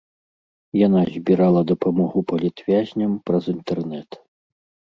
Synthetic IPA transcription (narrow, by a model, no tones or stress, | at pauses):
janazʲbʲiɾalˠɐd̪ɐpamɔɣupɐlʲit̪vʲazʲnʲɐmpɾɐzint̪ɛrnɛt̪